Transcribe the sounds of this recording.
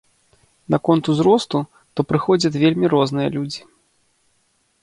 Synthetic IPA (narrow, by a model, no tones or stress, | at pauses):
nɐkɔnt̪uzɾɔst̪u | t̪ɔpɾɨxɔd͡zʲɐt͡sʲvʲelʲmʲiɾɔznɨjɐ̰lʲud͡zʲi